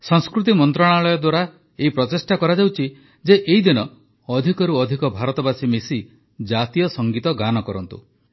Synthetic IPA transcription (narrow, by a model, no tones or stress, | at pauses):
sɔŋskɾut̪̬imɔnt̪ɾɔɽ̃aɭɔjɔd̪waɾa | eipɾɔtesʈakɔɾad͡ʒawt͡ʃʰi | d͡ʒeʔeɦid̪inɔ | ɔd̪ʱikɔɾuɔd̪ʱikɔbʱaɾɔt̪ɔbasimesi | d͡ʒat̪ijɔsɔŋɡit̪ɔɡanɔkɔɾɔnt̪ṵ